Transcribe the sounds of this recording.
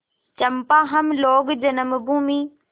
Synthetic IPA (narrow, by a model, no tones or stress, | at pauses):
t͡ɕɐmpãːɦɐmloːɡd͡ʑɐnɐmbũːmiː